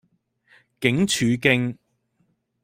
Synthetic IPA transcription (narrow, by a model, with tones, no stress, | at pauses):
kɪ˨˥ŋt͡ʃʰyː˨˧kɪ˥ŋ